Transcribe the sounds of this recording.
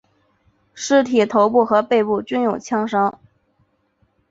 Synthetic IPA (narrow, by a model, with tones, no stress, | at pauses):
ʂɻ̩˥˩t̪ʰi˨˩t̪ʰo˧˥ʊpu˥˩xɤ˧˥pe˥˧ɪpu˥˩t͡ɕy˥njo˨˩ʊt͡ɕʰjɑ˥ŋʂɑ˥ŋ